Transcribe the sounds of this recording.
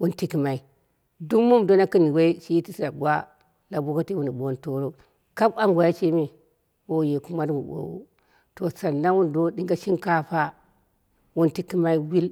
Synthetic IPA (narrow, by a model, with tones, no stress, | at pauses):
wu˦nti˦ki˨ma˨i˦ | du˦mu˦mdo˦na˦ki˦ni˨we˦i˦ʃi˦i˦ti˦sɾa˨ɡʷa˦ | la˨bo˦ka˦te˦wu˦ni˨ɓo˦nto˦ɾo˦ | ka˦ba˦ŋɡʷa˨ji˦t͡ʃe˦mi˨ | wo˦˨je˨ku˦ma˦dŋu˨bo̰˨wṵ˦ | to˨sa˨na˦wu˦n˨do˦di˦ŋɡa˦ʃi˦ŋka˦ɸa˦ | wu˦nti˦ki˦ma˦i˦wi˦l